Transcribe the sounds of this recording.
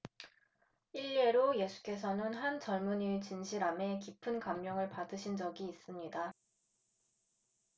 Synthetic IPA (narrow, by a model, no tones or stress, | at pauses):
iʎːe̞ɾoje̞sʰu̥k͈e̞s̬ʰʌnɯnɦant͡ɕʌɭmuɲit͡ɕinɕʰiɾame̞kipʰɯnkamːjʌŋɯɭpadɯɕʰind͡ʑʌɡiːs͈ɯmɲida